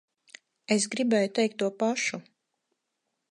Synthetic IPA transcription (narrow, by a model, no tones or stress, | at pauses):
es̬ɡɾibɛjut̪ɛjk̚t̪ːuɔpaʃu